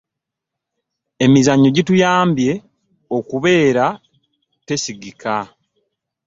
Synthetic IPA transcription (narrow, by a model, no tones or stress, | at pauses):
e̞mizaɲːo̞ɟitujaːmbje̞ | o̞kuβe̞ːɾa | te̞siɡika